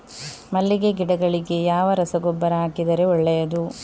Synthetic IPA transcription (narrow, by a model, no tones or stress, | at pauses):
mɐlːiɡe̞ɡiɽɐɡɐɭiɡe̞jaːʋɐɾɐsɐɡɔbːɐɾɐɦaːkid̪ɐɾe̞ɔɭːɛjɐd̪u